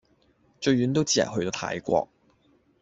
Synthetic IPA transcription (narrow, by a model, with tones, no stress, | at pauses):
t͡ʃɵ˧ɥyː˨˥nt̪̬wt͡siː˥ɐ̰˨˩ɦɵ˧ɥt̪o˧˥t̪ʰa̰ː˨˥jkʷɔ̰ː˧k̚